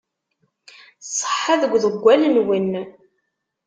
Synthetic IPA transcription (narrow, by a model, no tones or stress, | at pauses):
sˤə̥ħːaðəɡʷːðəɡʷːælənwinː